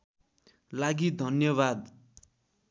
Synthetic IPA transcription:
laɡid̪ʱʌnjʌβad̪

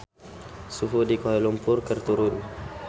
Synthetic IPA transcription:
suɦudikoɦalumpʊrkərt̪uɾʊn

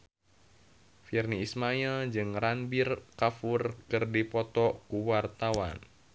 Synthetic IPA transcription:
firniːsmaild͡ʒɨŋranbirkafurkɨrdipɔt̪ɔkuwart̪awa̰n

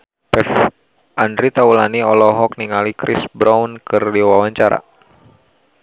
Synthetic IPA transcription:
pɛf | ʔandɾit̪aulaniɔlɔɦɔk̚niŋalikɾisbɾaunkɨrdiwawaɲt͡ʃaɾa̰

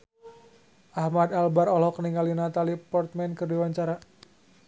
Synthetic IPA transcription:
ʔahmad̪albaɾɔlɔkəniŋalinat̪alipɔrt̪mɛnkərdiwaɲt͡ʃaɾa

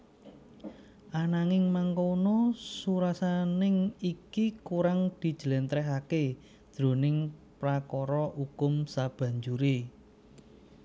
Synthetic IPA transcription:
ʔanaŋɪŋmaŋkonosuɾasanɪŋikikuɾaŋd̪̥i̤d̥ʒ̥əlɛnt̪ɾɛɦake | d̪̥ɾo̤nɪŋpɾakɔɾɔukʊmsab̥ä̤ɲd͡ʒuɾe

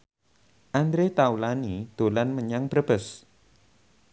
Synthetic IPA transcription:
ʔand̪ɾet̪aulanid̪̥o̤lanməɲaŋb̥ɾəb̥əs

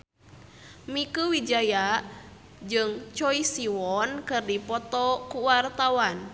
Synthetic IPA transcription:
mikuwid͡ʒaja | d͡ʒɨŋt͡ʃɔisiwɔnkɨrdipɔt̪ɔkuwart̪awan

